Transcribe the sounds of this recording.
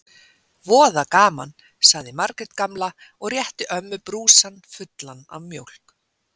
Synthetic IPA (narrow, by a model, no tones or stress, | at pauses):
vɔːðakaːma̰n | saɣðɪmaɾkɾɛt̪kamla | ɔɣrjɛht̪ɪʔœmːʏpɾuːsanfʏt̪lana̰vmjowl̥k